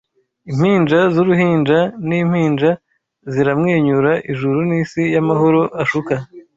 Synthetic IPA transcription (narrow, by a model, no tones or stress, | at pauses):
im̥iːnd͡ʒazuɾuɦiːnd͡ʒaniːm̥hiːnd͡ʒa | ziɾamŋeːɲuɾaʔiʒuɾuniːsijamaɦoɾoʔaʃuka